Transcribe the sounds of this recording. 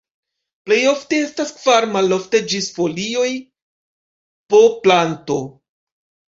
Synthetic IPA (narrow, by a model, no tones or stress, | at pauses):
ple̞jo̞fte̞e̞staskv̥aɾmalo̞fte̞d͡ʒisfo̞lio̞j | po̞planto̞